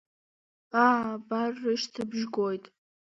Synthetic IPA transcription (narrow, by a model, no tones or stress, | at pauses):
aːbarːɨʃtʰɨbʒɡojtʼ